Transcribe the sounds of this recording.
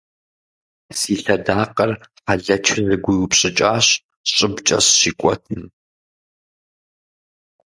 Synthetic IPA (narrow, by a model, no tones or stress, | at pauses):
siːɬɐdaːqɐrfɐɮɐt͡ʃʰɪzɨɡʷʊwʊpɕʼɪt͡ʃʼaːɕ | ɕʼɪbt͡ʃʼɐ̰ɕɕiːkʷʼɔ̰tʰɨm